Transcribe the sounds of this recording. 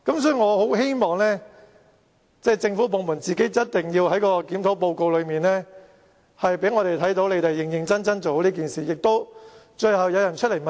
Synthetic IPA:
kɐ˨˥ms̬ɔː˧˥˧ŋɔː˨˧ho˨˥wɦe˥jmɔː˨˩ŋlɛː˥ | t͡sɛː˥˩t͡sɪ˧ŋfuː˨˥po˨˧wmuː˨˩nt͡siː˨ke˨˥jt͡sɐ˥t̚t̪ɪ˨˩ŋjiː˧whɐ˨˥jkɔː˧kiː˨˥mt̪ʰo˨˥po˧wko˧wlɵ˨˧ɥmiː˨˩nlɛː˥ | hɐ˨jpe˨˥jŋɔː˨˧ɾe˨jt̪ʰɐ˨˥jt̪o˧˥wle˨˧˥t̪e˨jɪ˨ŋjɪ˨˩ŋt͡sɐ˥nt͡sɐ˥nt͡so˨˧wliː˥k̬iː˨nsiː˨˩jɪ˨k̚t̪o˥w | t͡ʃɵ˧ɥhɐ˨wjɐ˨˧wjɐ˨˩nt͡ʃʰɵ˥le˨˩mɐ˨

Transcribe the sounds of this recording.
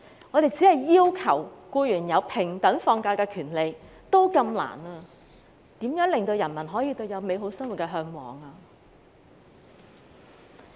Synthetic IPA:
ŋɔ˨˧t̪e˨jt͡si˨˥hɐ˨jːiː˥wkʰɐ̰˨˩wkuː˧jyː˨˩njɐ˨˧wpʰɪ˨˩ŋt̪ɐ˨˥ŋfɔː˧ŋkaː˧jkɛː˧kʰyː˨˩nle˨˧j | t̪o˥wkɐ˧mla̰ː˨˩naː˧ | t̪iː˨˥mjœː˨˥ŋlɪ˨ŋt̪o˧wjɐ˨˩nmɐ˨˩nɦɔː˨˥jiː˧t̪o˧wjɐ˨˧wme˨˧jɦo˨˥wsɐ˥ŋwu˨t̚kɛː˧ɦœː˧ŋwɔ̰ː˨˩ŋaː˧

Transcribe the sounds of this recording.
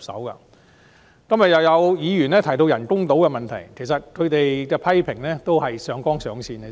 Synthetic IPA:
psɐ̰˨˥wkɐ̰ː˧ | kɐ˥mjɐ˨t̚jɐ˨wjɐ˨˧wjiː˨˧ɥyː˨˩nɛː˥t̪ʰɐ˨˩jt̪o˧wjɐ˨˩nkʊ˥ŋt̪o˨˥wkɛː˧mɐ˨nt̪ʰɐ˨˩jkʰe˨˩js̬ɐ˨t̚kʰɵ˨˧ɥt̪e˨jkɛː˧pʰɐ˥jpʰɪ˨˩ŋlɛː˥t̪o˥whɐ˨jsœː˨˧ŋkɔː˥ŋsœː˨˧ŋsʰiː˧nɡɛ˧

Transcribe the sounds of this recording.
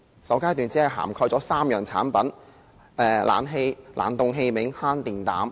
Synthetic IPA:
sɐ˨˥wkaː˥jt̪yː˨nt͡si˨˥ɐ˨˩jɦa̰ː˨˩mkʰɔː˧jt͡sɔː˨˥saː˥mjœː˨˩ŋt͡sʰaː˨˥npɐ˨˥n | ʔɛː˧lʔa̰ː˨˥nɦe˧jlʔa̰ː˨˩nt̪ʊ˨˧ŋɦe˧jmɪ˨˥ŋhaː˥nt̪iː˨nt̪a̰ː˨˥m

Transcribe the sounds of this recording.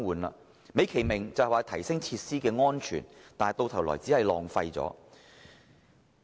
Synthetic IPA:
ŋwuː˨˧nla̰ː˧ | me˨˧jkʰe˨˩jmɪ˨˩ŋt͡sɐ˨hwaː˨t̪ʰɐ˨˩jsɪ˥ŋt͡sʰiː˧t̚siː˥kɛː˧ŋɔː˥nt͡ʃʰy̰ː˨˩nt̪aː˨˩˨jt̪o˧wt̪ʰɐ˨˩wlɔ̰ː˨˩jt͡siː˨˥hɐ˨jlɔː˨ŋfɐ˧jt͡sɔ̰ː˨˥

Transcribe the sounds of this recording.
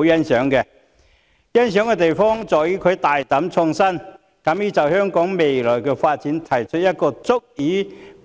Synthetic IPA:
wjɐ˥nsœː˨˥ŋkɛ˧ | jɐ˥nsœː˨˥ŋkɛː˧t̪̬e˨jfɔː˥ŋt͡sɔː˨˩jyː˨˥kʰɵ˨˧ɥt̪aː˨jt̪ɐ˨˥mt͡sʰʊ˧ŋsɐ˥n | kɐ˨˥mjyː˨˧t͡sɐ˨whœː˥ŋkɔː˨˥ŋme˨jlɔː˨˩jkɛː˧faː˧t̚t͡siː˨˥nt̪ʰɐ˨˩jt͡ʃʰɵ˥t̚jɐ˥t̚kɔː˧t͡sʊ˥k̚jiː˨˥

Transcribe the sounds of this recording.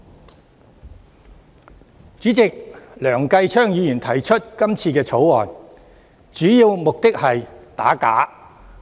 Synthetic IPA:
t͡syː˨˥t͡sɪ˨k̚lœː˨˩ŋkɐ˧jt͡ʃʰœː˥ŋjiː˨˧jiː˨˩nt̪ʰɐ˨˩jt͡ʃʰɵ˥t̚kɐ˥mt͡sʰiː˧kɛː˧t͡sʰo˨˥wɔː˨˩n | t͡syː˨˥ji˧wmʊ˨k̚t̪ɪ˥k̚hɐ˨jt̪a̰ː˨˥ka̰ː˨˥

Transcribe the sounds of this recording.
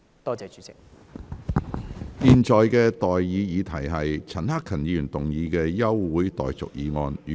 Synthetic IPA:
t̪ɔː˥t͡sɛː˨˧t͡ʃyː˨˥t͡sɪ˨˩k̚ | jiː˨nt͡sɔː˨jkɛː˧t̪ɔː˨jːiː˨˧jiː˨˧t̪ʰɐ˨˩jɦɐ˨jt͡sʰɐ˨˩nhaː˥kʰɐ˨˩njiː˨˧jyː˨˩nt̪ʊ˨ŋjiː˨˧kɛː˧jɐ˥wwuː˨˥jt̪ɔ̰ː˨jt͡sʊ̰˨k̚jiː˨˧ŋɔː˧nː˨

